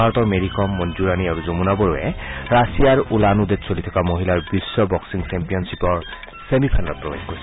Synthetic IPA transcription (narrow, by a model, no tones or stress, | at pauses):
aɹɔt̪ɔɹmeɹikɔmːɔnzuɹaniaɹuzomunabɔɹuḛɹasijaɹulanud̪etsolit̪ʰɔ̥kamoɦilaɹbisːɔbɔksiŋsempijɔnsipɔɹ | semipʰanɔt̪̚pɹɔbexkoɹisʰ